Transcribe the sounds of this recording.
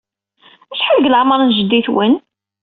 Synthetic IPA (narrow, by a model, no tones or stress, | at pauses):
æʃħəlɡlʕmɑɾˤənʒəd̪ːiθwən